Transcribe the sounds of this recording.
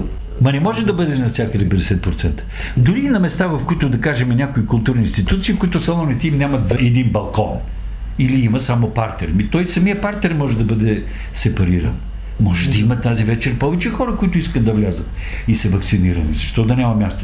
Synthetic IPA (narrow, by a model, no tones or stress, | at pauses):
mɐnɛmɔʒɛd̪ɐbɤd̪ɛnɐfsʲakəd̪ɛpɛd̪ɛsɛt̪̚pɾot̪sɛnt̪ə̥ | d̪ʊɾinɐmɛst̪avɐfkʊit̪ʊd̪ɐkaʒɛmɛnʲakoikʊlˠt̪uɾninst̪it̪ut̪siːfkʊit̪ʊsɐlˠɔnit̪ɛimnʲamɐt̪ɛd̪inbɐlˠkɔn | iliimɐsamopaɾt̪ɛɾmit̪ɔjsɐmiəpaɾt̪ɛɾmɔʒɛd̪ɐbɤd̪ɛ | sɛpɐɾiɾə̰n | mɔʒɛd̪ɐimɐt̪azivɛt͡ʃɛɾpɔvɛt͡ʃɛxɔɾəkʊit̪ʊiskət̪̚d̪ɐvlʲazət̪ | isɛvɐkt̪siniɾɐnizɐʃt̪ɔd̪ɐnʲamɐmʲjast̪o̥